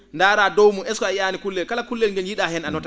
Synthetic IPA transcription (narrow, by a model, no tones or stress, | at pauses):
ndaːɾaːdɔwmuɛskɔajaːnikulːɛlkalakulːɛlŋɡɛnjiɗahɛnanɔta